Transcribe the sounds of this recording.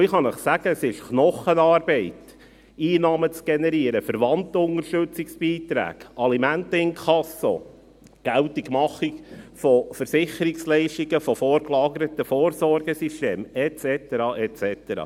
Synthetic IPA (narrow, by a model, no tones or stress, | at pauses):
ɪχɑnəχsæɡ̥əəsɪʃknɔχənɑːɾbɛɪt | iːnɑːmət͡sɡ̥ɛnɛɾiəɾəfəɾʋɑnt̪ʊnəɾʃtɵt͡siksb̥iːt̪ɾæ̰ːɡ̥ʔɑlimæntəɪnkʰɑso̰ | ɡ̥æltiɡ̥mɑχikfɔfəɾsɪχəɾikslɛɪʃtiɡəfɔfɔːɾklɑːɡəɾət̪əfɔːɾsɔɾɡəsisteːmɛt͡sɛt̪əɾɑːʔɛt͡sɛt̪əɾɑ̰ː